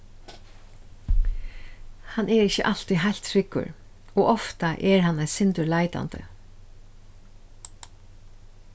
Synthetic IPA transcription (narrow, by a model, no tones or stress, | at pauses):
hanʔɛɾɪçəʔal̥t̪iɦajlt̪ʰɾɪkːʊ̰ɹ | ɔːɔft̪aʔɛɹɦanːaɪjsɪnt̪ʊɹlaɪt̪a̰nt̪ə̰